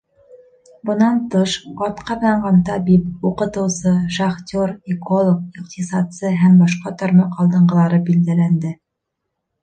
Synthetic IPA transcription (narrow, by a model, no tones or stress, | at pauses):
bɤ̆nɑnt̪ɤʃɒt̪qʰɑbɘ̆nɑɴɢɑnt̪ɑbip̚uqɤ̆t̪ɤ̆wsɤʃɑχtʲoɾikolˠok̚iq̚t̪isɑt̪sɤɦæmbɑʃ̬qɑt̪ŏɾmɑqɑlˠd̪ɤ̆ɴɢɤ̆lˠɑɾɤbild̪ælænd̪ɘ